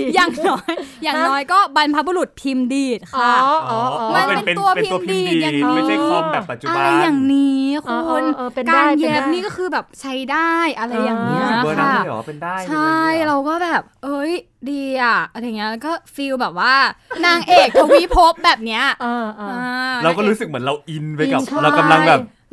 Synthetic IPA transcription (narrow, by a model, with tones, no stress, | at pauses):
jaː˨˩ŋnɔː˦˥jːaː˨˩ŋnɔː˦˥jkɔː˥˩ba˧npʰa˦˥bu˧ɾu˨˩t̪̚t̪ʰiː˧mdiː˨˩t̪̚kʰa˦˧˩ | ma˧n˧pe˧n˧nt̪u˧ɐp̪ʰiː˧mdiː˧˨˩jaː˨˩ŋni˧˦˧ʔa˧ɾa˧jːaː˨˩ŋniː˦˥kʰo˧o˧n˧kaː˧nje˦˥p̚niː˥˩kɔː˥˩kʰɯː˧bɛː˨˩p̚t͡ɕʰa˦˥jdaː˥˩jʔa˧ɾa˧jːaː˨˩ŋni˦˥˧a˥˩˥t͡ɕʰa˥˩jɾa˧wkɔː˥˩bɛː˨˩p̚hɤ˦˥j | diː˧ʔa˨˩ʔa˧ɾa˧jŋːi˦˥ɐla˧wkɔː˥˩fiː˧wbɛː˨˩p̚waː˥˩naː˧ŋʔeː˨˩k̚t̪ʰo˧wi˦˥pʰo˦˥p̚bɛː˨˩p̚ni˦˥ɐ˧ʔaː˧˩ɾa˧wkɔː˥˩ɾuː˦˥sɯ˨˩k̚mɯ˩˦nɾa˧wʔi˧nwa˧˦ka˦t͡ɕʰaɾa˧wka˧mla˧ŋbɛː˨˩p̚